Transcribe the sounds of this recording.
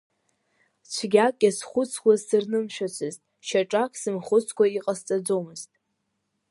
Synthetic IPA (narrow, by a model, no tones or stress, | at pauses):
t͡ɕʷʰɡʲakʼʲːasχʷʊt͡sʰkʷʰazsɨrnɨmʃᶣat͡ɕʷʰɨztʼ | ʃaʈ͡ʂʼakʰʼsɨmχʷʊt͡sʰkʷaiqʼast͡sʼad͡zomɨztʼ